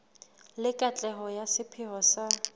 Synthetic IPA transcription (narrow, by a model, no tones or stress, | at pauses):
lɪkʼat͡ɬʼɛɦɔjasɪpʰɪɦɔsa